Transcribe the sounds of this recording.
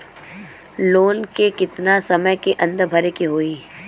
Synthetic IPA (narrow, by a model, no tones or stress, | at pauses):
loːnkekɪt̪nasɐməjkeʔɐ̃nd̪əɾbʱɐɾekeɦoːiː